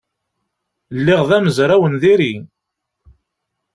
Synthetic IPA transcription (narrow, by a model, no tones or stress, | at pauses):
lːɪʁðæməzɾˤæwənðiɾi